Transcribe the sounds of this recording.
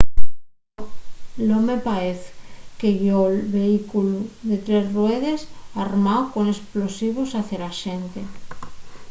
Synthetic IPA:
lomepaeθkeʝolβeikuluðet̪ɾe̞zrweð̞e̞saɾmawko̞ne̞splo̞siβ̞osaθelaʃent̪e

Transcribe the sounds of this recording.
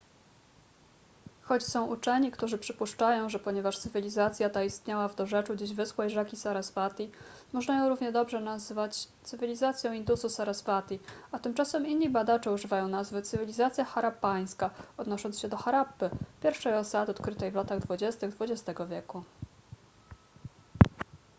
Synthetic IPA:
xɔt͡ɕsɔ̃w̃ʔut͡ʂɛɲikt̪uʐɘpʂɘpuʂt͡ʂajɔ̃w̃ʐɛpɔɲɛvaʂt̪sɘvʲilʲizat̪sʲjat̪aist̪ɲawavd̪ɔʐɛt͡ʂud͡ʑiʑvɘswɛjʐakʲisaɾasfat̪ʲi | mɔʐnajɔ̃w̃ɾuvɲɛd̪ɔbʐɛnazvat͡ɕt̪sɘvʲilʲizat̪sʲjɔ̃w̃ind̪ususaɾasfat̪ʲiat̪ɘmt͡ʂasɛminːibad̪at͡ʂɛuʐɘvajɔ̃w̃nazvɘt̪sɘvʲilʲizat̪sʲjaxaɾapaj̃skaɔd̪nɔʂɔnsɕɛd̪ɔxaɾapːɘpʲjɛɾfʂɛjɔsad̪ɘɔt̪̚kɾɘt̪ɛjvlat̪aɣd̪vud͡ʑɛst̪ɘɣd̪vud͡ʑɛst̪ɛɡɔvʲjɛku

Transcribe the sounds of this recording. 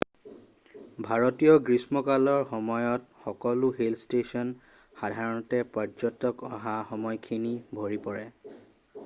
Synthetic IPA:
bʱaɹɔtijɔɡɹismɔkalɔɹxɔmɔjɔtxɔkɔluɦelstesɔn | xadʱaɹɔntɛpad͡ʒɔtːɔkɔɦaxɔmɔjkʰinibʱoɹipɔɹɛ

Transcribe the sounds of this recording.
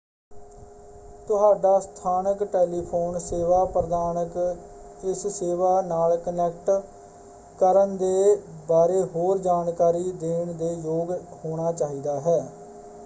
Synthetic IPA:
t̪ʊɦaːɖaːst̪ʰaːnəkʈeːliːpʰoːnseːʋaːpɾəd̪aːnək | d͡ʒɪsseːʋaːnaːlkənɛːk̚ʈ | kəɾənd̪eːbaːɾeːɦoːɾd͡ʒaːnkaːɾiːd̪eːɳd̪eːjoːɡhoːɽ̃aːt͡ʃaːɦiːd̪aːɦɛː

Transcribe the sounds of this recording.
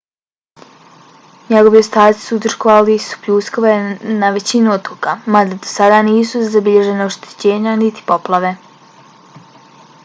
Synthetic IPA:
ɲeɡo̞ʋio̞st̪aːt̪si̥suut̪r̩ʃkoʋalisu̥pʎuːskoʋenaʋe̞t͡ɕinuot̪okamad̪ad̪osad̪aːniːsuzabiʎe̞ʒe̞naoʃt̪e̥t͡ɕe̞ːɲanit̪i̥po̞plˠaʋe̞

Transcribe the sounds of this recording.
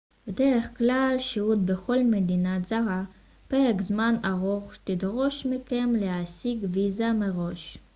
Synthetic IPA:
bedeʁeχklalʃiut̪̚beχo̞lmed̪inazaʁa | peʁekzmanaʁoχt̪id̪ʁo̞ʃmikemlehasiɡvizameʁo̞ʃ

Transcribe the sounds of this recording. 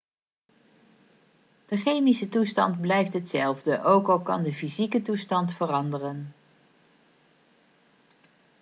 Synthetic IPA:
d̥əχejmisətustɑ̰ndblɛjftɦətsɛlˠvdəʔowkɑlˠkɑ̰ndəfizikətustɑntfərɑndərən

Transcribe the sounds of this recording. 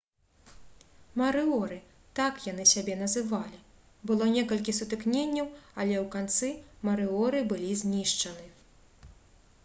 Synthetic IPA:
mɐɾɨɔɾɨ | t̪akjan̪ɨsʲabʲɛnɐzɨvalʲi | bɨlˠɔnʲɛkɐlʲkʲisut̪ɨknʲenʲːɐwɐlʲɛwkant̪sɨmɐɾɨɔɾɨbɨlʲizʲnʲiʂt͡ʂɐnɨ

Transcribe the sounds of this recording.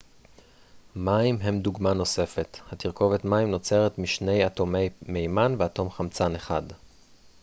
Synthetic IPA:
maimɦe̞mduɡmano̞se̞fe̞thatiʁko̞vetmaimno̞t͡se̞ʁetmiʃne̞jatome̞jme̞jmanveato̞mχamt͡sane̞χad

